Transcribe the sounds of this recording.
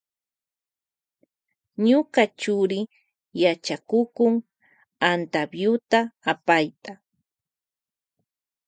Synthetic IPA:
ɲokɑt͡ʃʊɾɪ | jat͡ʃakʊkʊŋ | ant̪abjʊt̪aːpajt̪a

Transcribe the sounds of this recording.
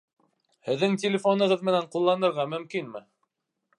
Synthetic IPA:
hɘ̆ðːɘŋtʲɪlʲɪfonɤ̆ʁɤðmɘ̆næɴqulˠːɑnɤ̆ɾʁɑmɵ̆mkinmɘ

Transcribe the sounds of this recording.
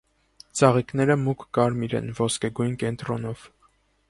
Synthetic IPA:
t͡sɑʁiknɛɾəmukːɑɾmiɾɛ̰nvɔskɛɡujnkɛnt̪ɾɔnɔv̥

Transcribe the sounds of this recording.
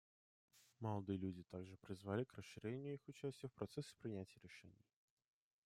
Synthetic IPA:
mɐlˠad̪ɨjəlʲud͡zʲɪt̪aɡʐɨpɾʲɪzvalʲikrəsʂːɨɾʲenʲːɪjʊixʊt͡ɕæsʲt͡sʲjəfpɾɐt̪sɛspɾʲɪnʲæt͡sʲjəɾʲɪʂɛ̰nʲɪ̰j

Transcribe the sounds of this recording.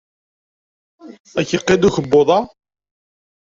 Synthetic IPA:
æçiqːed̪uçəbːoðˤɑ

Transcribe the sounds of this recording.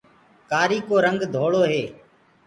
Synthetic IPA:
kaːɾiːkoːɾəŋɡd̪ʱoːɭoːɦeː

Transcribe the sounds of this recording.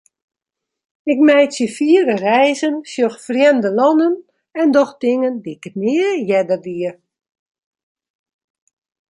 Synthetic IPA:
ɪk̚mɛjsjəfiəɾərɛjzənsjoxfrjɛndəlɔnən | ɛndɔxdɪŋəndikətnɪəjɛdərdiər

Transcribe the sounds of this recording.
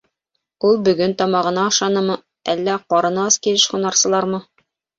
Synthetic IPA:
ulˠbɵ̆ɡɵnt̪ɒmɑʁɤ̆nɑɑʃɑnɤmɤ | ælːæqɒɾɤ̆nɤɑskilɘʃχŭnɑɾsɤ̆lˠɑɾmɤ

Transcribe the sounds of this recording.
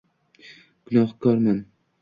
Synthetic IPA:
ɡ̥ʊnɒχkʰɒɾman

